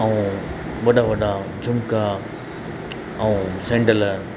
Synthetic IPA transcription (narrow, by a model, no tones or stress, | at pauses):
ɐ̃ũ | ʋɐɗaʋɐɗad͡ʑʱʊmka | ɐũsẽːɳɖəl